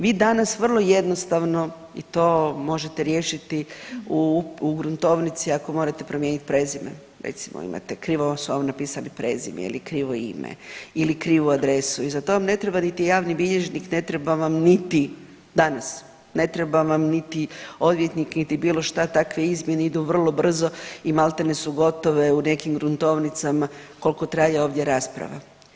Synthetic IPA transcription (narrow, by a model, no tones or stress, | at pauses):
ʋiːd̪anasʋr̩lˠo̞je̞d̪nost̪aʋno̞ | ḭt̪o̞ːmo̞ʒe̞t̪eɾje̞ːʃit̪iuuɡɾunt̪o̞ʋnit̪siako̞mo̞ɾat̪e̞pɾomjeːnit̪̚pɾe̞zimḛ | ɾḛt̪simo̰ḭmʔa̰t̪ekɾiːʋosuʋamonapiːsalipɾezḭmḛḭlikɾiːʋoḭmḛilikɾiːʋuad̪ɾe̞suizat̪o̞ʋamne̞t̪ɾe̞banit̪ijaːʋnibiʎe̞ʒnikne̞t̪ɾe̞baʋamnit̪i | d̪anas | ne̞t̪ɾebaʋamnit̪io̞d̪ʋjet̪niknit̪ibiːlo̞ʃt̪at̪akʋeizmjeneid̪uʋr̩lˠo̞br̩zo̞imalˠt̪enesuɡo̞t̪o̞ʋe̞une̞kimɡɾunt̪o̞ʋnit̪samako̞lko̞t̪ɾajeo̞ːʋd̪je̞ɾaspɾa̰ʋa̰